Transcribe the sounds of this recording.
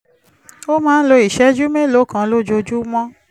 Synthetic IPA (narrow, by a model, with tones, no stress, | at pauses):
o˦mãː˦n̩˦lo˧i˨ʃɛ˨˦d͡ʒu˦me˦˨lo˨˦kã˧lo˦d͡ʒo˧d͡ʒu˦mɔ̃˦